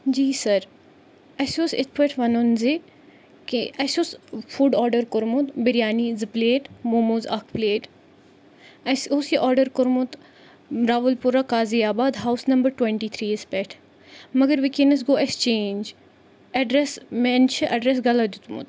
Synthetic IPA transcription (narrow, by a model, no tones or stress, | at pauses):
d͡ʒiːsɐɾ | ɐsosɪ̰t̪̚ʰpɛʈʰʋɐnonzi | keʔɐsoːsfuɖɔːɾɖəɾkoɾmut̪bɪɾijaːnizɨpleːʈmoːmozɐkʰpleːʈ | ɐsoːsiʔɔːɾɖəɾkʊɾmut̪ | ɾaːɦulpuɾakaːziaːbaːd̪ɦawsnɐmbəɾʈwɛ̃ɳʈiːt̪ʰɾiːɪspɛʈʰ | mɐɡəɾʋɪkenɐs̬ɡoːekst͡ʃeːnd͡ʒ | ɐɖɾɛsmɛnt͡ʃʰɐʔɐɖɾɛs̬ɡɐlɐd̪ut̪mʊ̰t̪